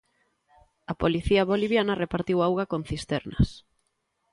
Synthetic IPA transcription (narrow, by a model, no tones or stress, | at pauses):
ɐpoliθiɐβoliβ̞janɐrepaɾt̪iwawɣakon̟θist̪ɛɾnɐ̰s